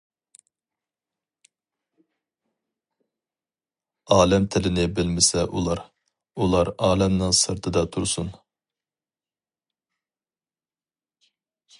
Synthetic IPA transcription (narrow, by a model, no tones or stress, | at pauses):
ɑːlɛmt̪ʰɪlɪnɪbɪlmɪsɛʔulˠɑɾ | ulˠɑɾɑːlɛmnɨŋsɨɾt̪ʰɨd̪ɑt̪ʰuɾsun